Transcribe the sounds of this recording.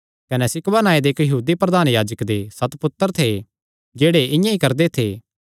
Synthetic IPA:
kɐnɛsɪkʋanaːed̪eːkjəɦuːd̪ipɾɐd̪aːnjaːd͡ʒəkd̪esɐt̪pʊt̪ːəɾt̪ʰe | d͡ʒeːɽeʔɪ̃jãikɐɾd̪et̪ʰeː

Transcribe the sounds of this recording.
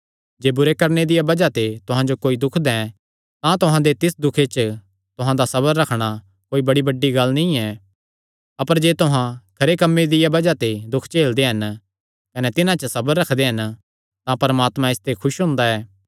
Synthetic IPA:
d͡ʒeːbʊɾekɐɾned̪ɪjabɐd͡ʒat̪et̪ʊɦãd͡ʒokoːid̪ʊkʰd̪ɛ̃ | t̪ãt̪ʊɦãd̪et̪ɪsd̪ʊkʰet͡ʃ | t̪ʊɦãd̪asɐbəɾːɐkʰɽ̃a | koːibɐɽibɐɖːiɡɐlnĩɛ | ɐpəɾd͡ʒeːt̪ʊɦãkʰɐɾekɐmːed̪ɪjabɐd͡ʒat̪ed̪ʊkʰt͡ʃeːld̪eɦɐn | kɐnɛt̪ɪnãt͡ʃəsɐbəɾːɐkʰd̪eɦɐn | t̪ãpɐɾmaːt̪mãɪst̪ʰekʰʊʃɦʊ̃ːnd̪aɛː

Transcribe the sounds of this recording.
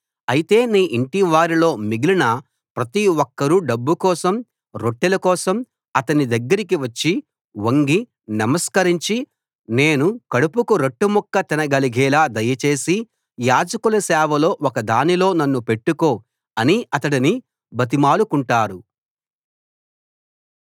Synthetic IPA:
ɐjit̪e̞ːniːʔiɳʈiʋaːɾilo̞ːmiɡilinɐ | pɾɐt̪iwɔkːɐɾuɖɐbːukɔːsɐm | ɾo̞ʈːɛlɐkɔːsɐm | ɐt̪ɐnid̪ɐɡːɐɾik̬iʋɐt͡ʃːi | woŋɡi | nɐmɐskɐɾiɲt͡ʃi | ne̞ːnukɐɽupukuɾeʈːumɔkːɐt̪inɐɡɐliɡʱɛːlaːd̪ɐjːɐt͡ʃe̞ːsi | jaːd͡ʒɐkulɐsɛːʋɐlo̞ːɔkɐd̪aːnilo̞ːnɐnːupe̞ʈːuko̞ː | ɐniɐt̪ɐɽini | bʱɐt̪̬imaːɭukuɳʈaːɾu

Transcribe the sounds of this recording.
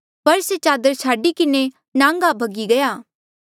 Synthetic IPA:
pɐɾset͡ʃaːd̪əɾt͡ʃʰaːɖikɪne | nãːŋɡabʱɐɡiɡɐjaː

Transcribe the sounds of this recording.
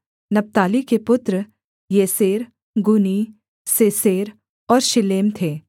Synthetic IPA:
nɐp̚t̪aːlikepʊt̪ɾə | jeːseːɾ | ɡʊni | seːseːɾ | ɔːɾʃɪleːmt̪ʰeː

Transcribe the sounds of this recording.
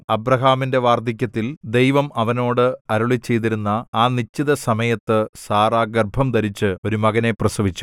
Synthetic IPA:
ɐbrɐɦaːminde̞ʋaːrd̪ʱik̬ʲːɐt̪ːild̪e̞jʋɐmʔɐʋɐno̞ːɽɨɐɾuɭit͡ɕːe̞jt̪̬iɾunːɐaːnit͡ɕːiðɐsɐmɐjɐt̪ːɨsaːraːɡɐrbʱɐmd̪ɐɾit͡ɕːɨo̞ɾumɐɣɐne̞prɐsɐʋit͡ɕːu̥

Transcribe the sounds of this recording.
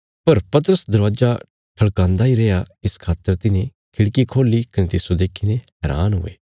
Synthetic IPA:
pɐɾpɐt̪̬əɾəsd̪ɐɾʋaːd͡ʒa | ʈʰɐɽkãːnd̪aɦiɾɛja | ɪskʰaːt̪ːəɾt̪ɪnẽ | kʰɪɽkikʰoːlikɐnẽt̪ɪsod̪eːkʰiːnẽɦɛːɾa̰ːnɦʊ̰ḛː

